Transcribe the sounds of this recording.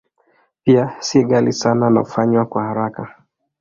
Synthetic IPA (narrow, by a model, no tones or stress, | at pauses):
piasiɛɠalisanana̰ufaɲwakwahaɾaka